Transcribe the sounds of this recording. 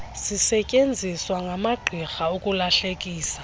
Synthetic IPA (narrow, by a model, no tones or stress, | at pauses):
sisɛcʼend͡zʱiswaŋɡʱamaɡ͡ǃʱixaukʼulaɬekʼiːsḁ